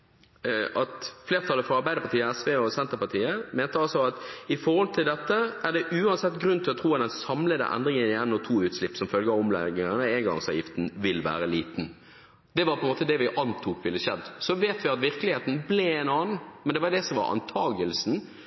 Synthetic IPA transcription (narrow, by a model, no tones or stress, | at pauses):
ʔɑt̪fleːɾt̪ʰɑlːəfɾɔɑɾbæɪd̪əpʰɑt̪iːəæsʋeːɔsɛnt̪əpɑt̪ʰiːəmeːnt̪əɑlsɔɑt̪ɪfɔɾhɔlt̪ʰɪld̪ɛt̪ːəʔæʁd̪ɛʔʉːɑnsɛt̪ːɡɾʉnt̪ʰɪlɔt̪ʰɾuːɑt̪̚d̪ɛnsɑmləd̪ə̰ʔæ̰nd̪ɾɪŋənɪɛnːɔt̪ʰuːʉːt̪slɪpːsɔmfœlɡəɑɔmlɛ̰ɡŋənəenɡɑ̰ŋsɑ̰ːʋjɪft̪n̩ʋɪlʋæ̰ːɾəliːt̪n̩ | d̪̥ɛʋɑɾpʰɔɛnmoːt̪əd̪ɛʋɪʔɑnt̪ʰuːkʋɪlːəʃɛd̪ːsɔʋeːt̪ʋɪɑt̪ʋɪɾkəlɪheːt̪n̩blɛeːnɑːnn̩mɛnd̪ɛʋɑɾd̪ɛsɔmʋɑ̰ɾɑ̰nt̪ʰɑːɡəlsn̩